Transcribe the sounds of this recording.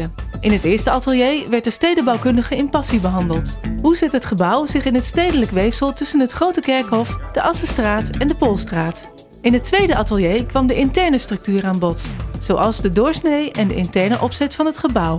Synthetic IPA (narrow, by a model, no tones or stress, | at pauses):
əʔɪnɦətɪːɹstəɑtəlˠjejʋɛɹtdəɹstejdəbɑwkɵndəχəɪmpɑsibəɦɑndəlˠtɦuzɛtɦətχəbʌwzɪχɪnɦətstejdələkʋejfsəlˠtɵsənɦətχrowtəkɛɹkɦɔfd̥əʔɑsəstraːtɛndəpolˠstraːt | ɪnɦətʋejdəʔɑtəlˠjejkʋɑmdəʔɪntɛɹnəstrɵk̚tyːɾaːnbɔtz̥owʔɑlˠzdədʊːɹsnejɛndəʔɪntɛɹnəʔɔpsɛtfɑnɦətχəbʌw